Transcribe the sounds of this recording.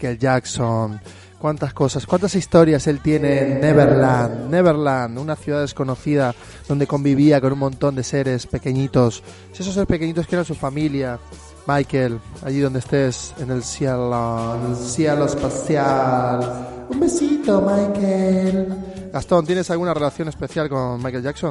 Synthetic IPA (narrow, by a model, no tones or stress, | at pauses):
kelʝakson | kwant̪asko̞saskwant̪asist̪o̞ɾjase̞lt̪je̞ne̞ːnːeβeɾland̪ːeβ̞eɾland̪unaθjuðaðesko̞no̞θiða | ðo̞nd̪e̞ko̞mbiβiako̞nũnmõ̞nt̪o̞nd̪ese̞ɾe̞spe̞ke̞ɲit̪o̞s | ses̬os̬eɾespe̞keɲit̪o̞skeɾansufamilja | majkela̰ʝiðond̪est̪e̞se̞ne̞lsjaloenelsjialoespaθjalumbe̞sit̪o̞majkelɡast̪o̞nt̪jene̞salɣunare̞laθjo̞ne̞spe̞θjalko̞nmajke̞lʝakso̞n